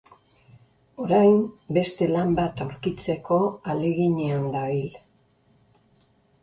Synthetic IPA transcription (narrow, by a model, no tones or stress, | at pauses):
o̞ɾajmbe̞st̪e̞lambat̪awɾkit͡se̞ko̞ale̞ɣiɲeand̪aβil